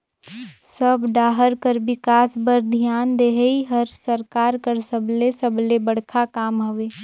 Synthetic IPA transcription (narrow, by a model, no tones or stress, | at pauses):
səbɖaːɦəɾkəɾbɪkaːsbəɾd̪ʱjaːnd̪eɦəiɦəɾsəɾkaːɾkəɾsəblesəblebəɽ̤kʰakaːmɦoʋeː